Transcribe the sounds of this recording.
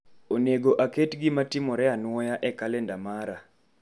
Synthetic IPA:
oneɡoʔaketɡɪmatɪmɔɾɛanwɔjaʔɛkalɛndamaɾa

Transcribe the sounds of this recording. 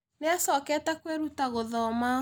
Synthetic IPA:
neasɔkɛtɛkweɾutaɣoðɔma

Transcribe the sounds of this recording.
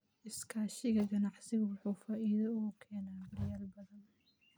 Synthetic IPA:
ʔɪskʰaːʃɪɣɐɡɐnɑʕsɪɣʊwɑħuːfaːʔiːðɐuːkʰɛːnaːbɐrjaːlbɐðɐn

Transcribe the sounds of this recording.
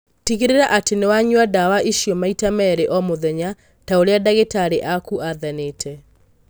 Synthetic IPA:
tiɣeɾeɾaʔatenewaɲwadawaʔiʃjɔmaitamɛɾeʔɔmoðɛɲa | taoɾeadaɣetaɾeʔakuaðɛneːtʰɛ

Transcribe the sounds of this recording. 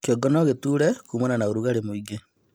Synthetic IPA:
koɡɔnɔɣetuːɾɛkumonanaoɾuɣaɾemoiɡe

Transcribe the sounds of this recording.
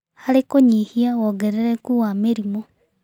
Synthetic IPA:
halekoɲihiaɣoɡeɾeɾekuwameɾimo

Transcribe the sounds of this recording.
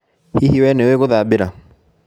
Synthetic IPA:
hihiwɛneweɣoðaːbeɾa

